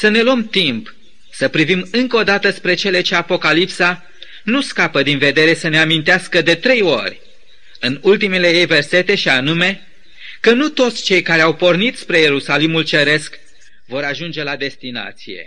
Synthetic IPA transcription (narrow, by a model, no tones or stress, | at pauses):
səne̞luəmt̪imp | səpɾivimɨŋkəod̪at̪əspɾe̞t͡ʃe̞le̞t͡ʃe̞apo̞kalipsa | nuskapəd̪inve̞d̪e̞ɾe̞səne̞amint̪easkəd̪e̞t̪ɾe̞jo̞rʲ | ɨnult̪ime̞le̞jejve̞rse̞t̪e̞ʃianume̞ | kənut̪o̞t̪sʲt͡ʃe̞jkaɾe̞awpo̞rnit̪spɾe̞je̞ɾusalimult͡ʃe̞ɾe̞sk | vo̞ɾaʒund͡ʒe̞lad̪e̞st̪ina̰t̪sije̞̰